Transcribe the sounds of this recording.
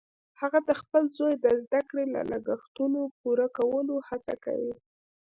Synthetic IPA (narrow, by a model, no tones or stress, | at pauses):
haɣad̪əxpəlzojd̪əzd̪akɽela̰ləɡəxt̪unopuɾakawəlohat͡sa̰ka̰wi